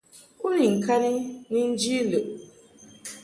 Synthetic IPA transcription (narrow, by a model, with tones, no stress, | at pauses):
kʊ˦ɾi˨ŋ̩˨ka˦nɪ˦ni˦n̩˦d͡ʒi˦le˨ʔ